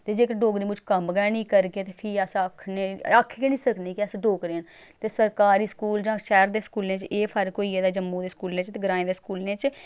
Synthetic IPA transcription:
t̪eːd͡ʒeːkəɾɖoːɡɾiːmʊt͡ʃkəmɡɛːnĩːkəɾkeːt̪eːpʰɪəsəkʰneːakʰːkenĩːsəkneːkɪəsɖoːkɾeːn | t̪eːsəɾkaːɾiːskuːld͡ʒãːʃɛːɾd̪eːskuːlnẽːt͡ʃeːpʰəɾkoːiːeːd̪aːd͡ʒəmːũːd̪eːskuːlnẽːt͡ʃt̪eːɡəɾaːẽːd̪eːskuːlneːt͡ʃ

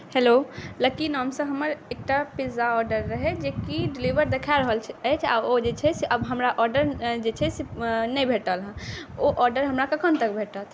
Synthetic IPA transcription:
heloləkinɔmsə̃ɦəməɾek̚ʈapizaɔɾɖəɾːəɦed͡ʒekiɖiliʋəɾd̪ekʰaɾəɦəlt͡ʃʰət͡ʃʰa̰od͡ʒet͡ʃʰɛseʔəbɦəmɾaʔɔɾɖəɾd͡ʒet͡ʃʰɛsenɛjbʱeʈəlɦɛ̃oʔɔɾɖəɾɦəmɾakəkʰənt̪əkbʱeʈət̪ʰ

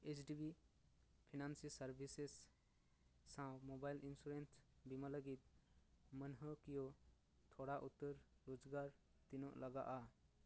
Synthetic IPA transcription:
et͡ʃɖibi | pʰinansisəɾbʱises | ãmobajlinsuɾensbimələɡit̪̚mənɦəkijo | t̪ʰoɽaʔut̪ːəɾɾod͡ʒɡaɾ | t̪inoʔləɡa̰ʔa

